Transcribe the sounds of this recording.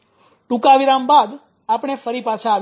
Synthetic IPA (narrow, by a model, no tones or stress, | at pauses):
ʈũkaʋiɾambad̪ | apɳ̃efəɾipat͡ʃʰaːʋ